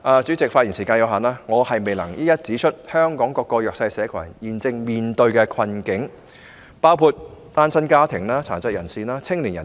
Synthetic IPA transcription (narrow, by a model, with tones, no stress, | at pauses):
ʔaː˨˧t͡syː˨˥t͡sɪ˨k̚fa˧t̚i˨˩nsiː˨˩kaː˧njɐ˨˧wɦaː˨˩nlaː˥ŋɔː˨˧hɐ˨jme˨jlɐ˨˩ŋjɐ˥jɐ˥t̚t͡siː˨˥t͡ʃʰɵ˥t̚hœː˥ŋkɔː˨˥ŋkɔː˧kːɔː˧jœː˨ksɐ˧jsɛː˨˧˥kʰɐ̰˨˩jjiː˨˩nt͡sɪ˧ŋmiː˨nt̪ɵ˧ɥkɛː˧kʰɐ˧nkɪ˨˥ŋ | paː˥wpʰuː˧t̚t̪aː˥nsɐ˥nkaː˥t̪ʰɪ˨˩ŋlaː˥t͡sʰaː˨˩nt͡sɐ˥t̚jɐ˨˩nsiː˨naː˥t͡sʰɪ˥ŋliː˨˩njɐ˨˩